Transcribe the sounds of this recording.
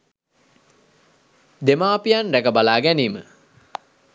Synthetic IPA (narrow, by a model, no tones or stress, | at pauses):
d̪emaːpijanrækəbalaːɡæniːmə̰